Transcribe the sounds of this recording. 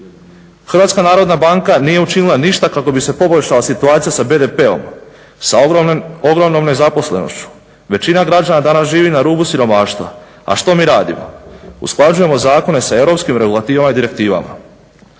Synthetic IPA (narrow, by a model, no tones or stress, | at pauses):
xɾrɾʋat̪skanaːɾo̞d̪nabaŋkanije̞ut͡ʃinilˠaniʃt̪akako̞bise̞po̞boʎʲʃalasit̪uaːt̪sijasabe̞d̪e̞pe̞o̞̰m | saoɡɾo̞mnomne̞zapo̞sle̞̰no̞̰ʃt͡ɕu̥ | ʋe̞t͡ɕinaɡɾad͡ʑanad̪anasʒiːʋinaɾuːbusiɾo̞maːʃt̪ʋa̰ | a̰ʃt̪o̞miɾaːd̪ḭmo̰ṵsklˠad͡ʒuje̞mo̞zaːko̞ne̞sae̞ʋɾo̞pskimɾe̞ɡulˠat̪iːʋamaid̪iɾe̞k̚t̪iːʋa̰ma̰